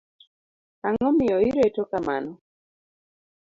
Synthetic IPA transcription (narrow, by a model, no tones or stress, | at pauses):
aŋɔmɪjɔiɾetɔkama̰nɔ